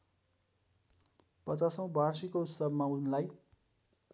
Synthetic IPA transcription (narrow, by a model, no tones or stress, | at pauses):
pʌt͡sasʌ̃w̃bʱarsikout̪sʌbmaunlaj